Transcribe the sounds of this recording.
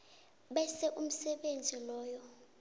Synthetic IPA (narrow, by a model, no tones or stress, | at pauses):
ɓɛsɛʔum̩sɛɓend͡zʱilɔːjɔ